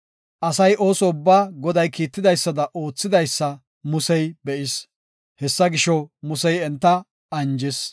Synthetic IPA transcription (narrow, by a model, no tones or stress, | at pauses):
ʔɐsɐjʔo̞ːsɔʊbːaːɡɔd̪ɐjkiːt̪ːɪd̪ɐjsːɐd̪ɐʔo̞ːt͡sːɪd̪ɐjsːɐ | mʊsɛjbɛʔɪs | hɛsːɐɡɪʃɔmʊsɛjɛnt̪ːɐ | ɐnd͡ʒɪs